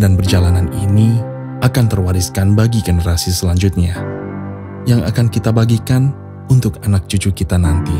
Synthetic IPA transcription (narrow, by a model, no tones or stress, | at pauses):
danbərd͡ʒalananini | akant̪ərwaɾiskanbaɡiɡənəɾasisəlaɲd͡ʒʊt̪̚ɲa | jaŋa̰kankit̪abaɡikan | unt̪ʊkanak̚t͡ʃut͡ʃukit̪anant̪i